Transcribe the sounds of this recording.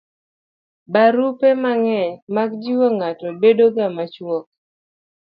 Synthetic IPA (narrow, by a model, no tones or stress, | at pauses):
baɾupemaŋɛɲmaɡd͡ʒiwoŋatɔbedoɡamat͡ʃwɔk̚